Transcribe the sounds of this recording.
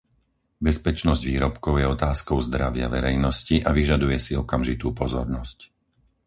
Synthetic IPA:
bɛspɛt͡ʃnɔzɟʋiːɾɔpkɔʊjɛɔt̪aːskɔʊzd̪ɾaʋɪa̰ʋɛɾɛjnɔsciʔaʋiʒad̪ujɛsiɔkamʒit̪uːpɔzɔ̰ɾnɔsc

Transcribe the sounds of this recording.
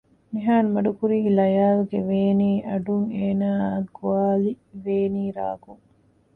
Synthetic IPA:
miɦaːnmɐɖukuɾiɦilɐjaːluɡeʋeːniːʔɐɖuŋeːnaːɡuaːli | ʋeːniːɾa̰ːɡuŋ

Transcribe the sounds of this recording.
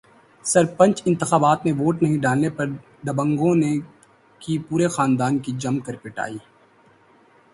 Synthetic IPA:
sɐɾpə̃nt͡ʃɪ̃nt̪ɪxaːbaːt̪neʋoːʈnɐɦĩɖaːlnepɐɾ | d̪ɐbə̃ŋɡõne | kipuːɾexaːnd̪aːnkid͡ʒɐmkɐɾpɪʈa̰ːiː

